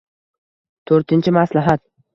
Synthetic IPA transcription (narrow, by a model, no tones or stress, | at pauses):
t̪ʰɵɾt̪ɪnt͡ʃʰɪmaslaɦat̪̚